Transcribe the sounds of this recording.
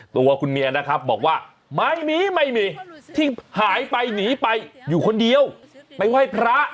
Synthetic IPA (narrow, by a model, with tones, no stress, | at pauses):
t̪u˧ɐkʰu˧nmiː˧ʔa˧na˦˥kʰɾa˦˥p̚bɔː˨˩k̚waː˥˩ | ma˥˩jmiː˧˥ma˥˩jmiː˧t̪ʰiː˥˩haː˩˦jpa˧jniː˩˦pa˧jːuː˨˩kʰo˧ndi˧əw | pa˧jwa˥˩jpʰɾa˦˥